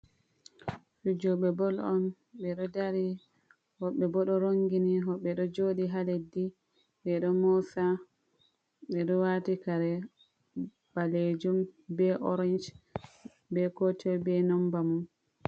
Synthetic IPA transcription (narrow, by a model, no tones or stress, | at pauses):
fud͡ʒɔɓɛbɔlɔn | ɓɛɗɔdaɾi | hɔɓɛbɔɗɔɾoŋɡiniɦɔɓɛɗɔd͡ʒoɗiɦaledi | ɓɛɗɔmɔsa | ɓɛɗɔwatikaɾɛ | baled͡ʒumbɛʔɔɾɛnd͡ʒ | bɛkɔtʰɛbɛnɔmbamun